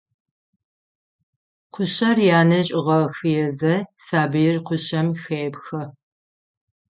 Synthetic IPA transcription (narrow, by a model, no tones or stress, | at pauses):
qʷʰʊɕɐrjaːnɐʑʼɪʁɐxɨjɛzɐsaːbɨjɪrqʷʊɕɐmxeːbxɐ